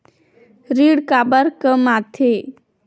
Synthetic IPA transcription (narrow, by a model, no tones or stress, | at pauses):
ɾiɽkabəɾkəmat̪ʰe